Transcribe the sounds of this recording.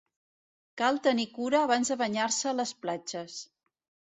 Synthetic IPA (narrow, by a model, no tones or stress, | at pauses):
kalˠt̪ənikuɾəːβanzðəβəɲaɾsəːləsplad͡ʒəs